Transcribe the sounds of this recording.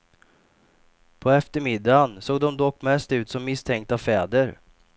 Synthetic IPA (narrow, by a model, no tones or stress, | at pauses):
pʰɔɛft̪əɾmɪd̪ːansoːɡ̚d̪ɔmd̪ɔkːmɛst̪ʉ̟ːt̪sɔmːɪst̪ʰɛŋk̚t̪avfɛːd̪əɾ